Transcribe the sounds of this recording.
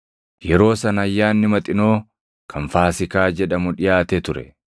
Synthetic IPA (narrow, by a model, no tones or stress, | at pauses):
jɛɾo̞ːsɐnɐjːaːnːɪmɐt̪ʼɪno̞ː | kʰɐnfaːsɪkaːd͡ʒɛᶑɐmʊᶑɪjaːt̪et̪ʊɾɛ̰